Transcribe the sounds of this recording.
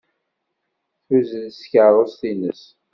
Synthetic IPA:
θuzðsçəɾˤosθinəs

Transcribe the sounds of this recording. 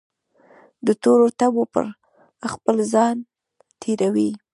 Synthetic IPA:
d̪ət̪oɾot̪abopə̰ɾ | xpəlzɑn | t̪ʰeɾawi

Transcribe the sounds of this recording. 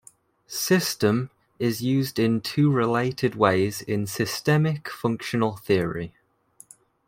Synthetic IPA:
sɪstə̃m | ɪzjʉːzdɪ̃ntʰʉːɹɪleɪtʰɪdweɪzɪ̃nsɪstɛmɪkfʊ̃ŋkʃənəlˠθɪəɹḭ

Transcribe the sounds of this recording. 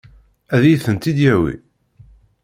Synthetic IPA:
æðjiθənt̪id̪jæwḭ

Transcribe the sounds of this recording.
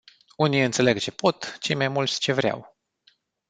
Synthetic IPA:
unijɨnt̪se̞le̞ɡt͡ʃe̞po̞t̪t͡ʃe̞jmajmult̪sʲt͡ʃe̞vɾʲea̰w

